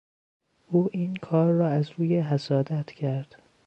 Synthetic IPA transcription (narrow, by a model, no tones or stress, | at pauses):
ʔuːʔiːnkʰɒːɾːɒːæzɾuːjeɦæsɒːd̪æt̪ʰcʰæɾd̪̥